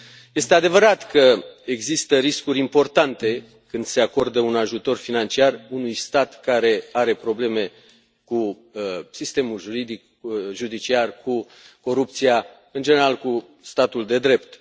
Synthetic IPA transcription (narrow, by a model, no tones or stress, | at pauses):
je̞st̪e̞ad̪e̞vəɾat̪kəe̞ɡzist̪əɾiskuɾʲimpo̞rt̪ant̪e̞ | kɨnd̪se̞ako̞rd̪əunaʒut̪o̞rfinant͡ʃiarunujst̪at̪kaɾe̞aɾe̞pɾo̞ble̞me̞ | ku | sist̪e̞mulʒuɾid̪ik | ʒud̪it͡ʃiarku | ko̞ɾup̚t̪sia | ɨnd͡ʒene̞ɾalku | st̪at̪uld̪e̞d̪ɾe̞pt̪